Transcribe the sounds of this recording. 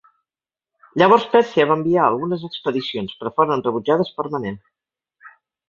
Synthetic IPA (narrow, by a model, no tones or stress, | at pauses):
ʎəβ̞ɔɾspɛsiəβambiaə̰lˠɣunəzəkspəðisionspɾəfoɾənrəβud͡ʒað̞əspəɾmənen